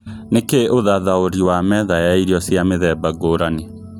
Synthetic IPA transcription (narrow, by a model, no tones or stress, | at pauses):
nekeoðaðaoɾiwamɛðajaiɾjɔsjameðɛbaɡoɾane